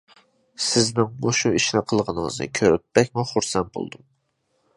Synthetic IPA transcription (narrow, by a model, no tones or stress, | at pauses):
sɪznɪŋmoʃuiʃinɪqʰəlˠʁənɨŋɨ̰znɨ̰kʲʰøɾɪp̚ːɛkʲmuχuɾsɛnbo̰lˠd̪um